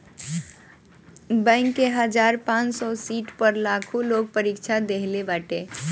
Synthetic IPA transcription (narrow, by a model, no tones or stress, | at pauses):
bə̃ɪŋkːeɦəd͡ʒaɾpãt͡ʃsɔsiʈpəɾlakʰulok̚pəɾikt͡ʃʰad̪eɦlebaʈe